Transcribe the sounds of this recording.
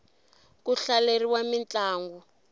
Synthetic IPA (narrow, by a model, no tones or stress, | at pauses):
kuɬaleriwamint͡ɬʼaːŋɡu